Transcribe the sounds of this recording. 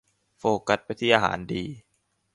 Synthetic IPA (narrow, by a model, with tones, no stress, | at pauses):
foː˧ka˦˥t̪̚pa˧jt̪ʰiː˥˩ʔaː˧ɦa̰ː˩˦ndiː˧